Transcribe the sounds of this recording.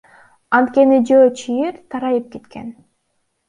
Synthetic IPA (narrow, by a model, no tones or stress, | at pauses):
ɑnt̪̚ke̞nid͡ʒøːt͡ʃʰijiɾt̪ʰɑɾɑjɯp̚ket̪kʰe̞n